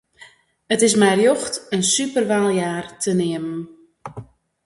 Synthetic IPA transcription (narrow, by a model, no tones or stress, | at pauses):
ətɪs̬mɛjrjɔxtənsypərʋaːlˠjaːrtʰənɪəmən